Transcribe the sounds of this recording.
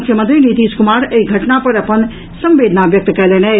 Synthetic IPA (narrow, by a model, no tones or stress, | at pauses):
kʰjəmə̃nt̪ɾinit̪iːskʊmaːɾeiɡʱɐʈnapɐɾɐpən | sɐ̃mʋeːd̪ʱnaʋjɐk̚t̪kɛlenɛ